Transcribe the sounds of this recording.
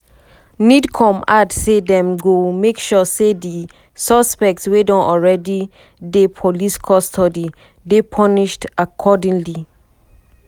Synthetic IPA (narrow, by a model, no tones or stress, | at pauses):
nidkʰɔ̃madsedɛ̃mɡomekʃɔsedi | sɔspɛk̚tswedɔ̃nʔɔlɹɛdi | depʰoliskʰɔstʰɔdi | depʰɔniʃtakʰɔdĩŋli